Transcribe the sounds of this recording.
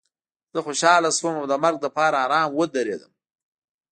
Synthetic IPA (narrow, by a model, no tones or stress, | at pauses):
z̥əxoʃɑlaswəmawd̪əmaɾɡ̚d̪əpɑːɾaɑɾɑːnwəd̪aɾḛd̪əm